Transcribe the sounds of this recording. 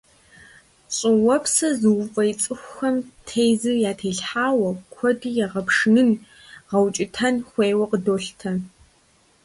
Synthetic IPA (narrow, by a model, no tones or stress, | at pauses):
ɕʼɪwɔpsɐzɨwʊfʼɐjt͡sʼɨxʷxɐmtʰejzɨjaːtʰeːɬħaːwɐkʷʰɔdɨjɛʁɐpʰʂnɨn | ʁɐwt͡ʃʼɪtʰɐnxʷeːwɐqədoːɬtʰɐ